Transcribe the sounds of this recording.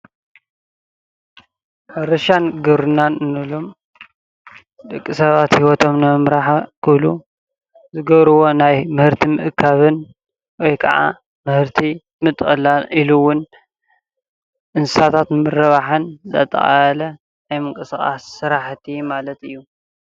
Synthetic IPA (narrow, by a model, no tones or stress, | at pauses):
ħɐɾɐʃanɡɨβɾɨnːanɨnɨlom | d̪ɨkʼːisɐβat̪hiwɔt̪ʰo̞mnɨmɨmɾaħkʰɨβlu | zɨɡɐβɾɨwo̞najmɨhɨɾt̪ʰimɨʔɨkʰːaβɨn | wɔjkʰɐ̰ʕa̰ | mɨhɨɾt̪ʰi | mɨt̪ʼxʼɐlalʔiluwʊn | ʔɨnsɨsat̪ʰat̪mɨrɐβaħɨnzɐ̰t̪ʼɐ̰ʔʼalɐ | ajmɨŋkʼɨsxʼa̰sːɨɾaħt̪ʰimalɐt̪ɨjːu